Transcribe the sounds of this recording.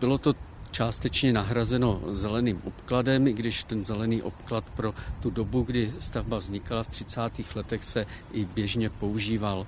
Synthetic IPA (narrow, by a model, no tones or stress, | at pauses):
bɪlo̞t̪o̞t͡ʃaːst̪ɛt͡ʃɲɛnaɦɾazɛno̞zɛlɛniːmʔo̞pkladɛmɪɡdɪʃt̪ɛnzɛlɛniːʔo̞̰pklat̪pɾo̞t̪udobuɡdɪst̪avbavzɲɪkalaft̪r̝̥ɪt͡saːt̪iːxlɛt̪ɛxsɛ | ʔɪbjɛʒɲɛpo̞uʒiːval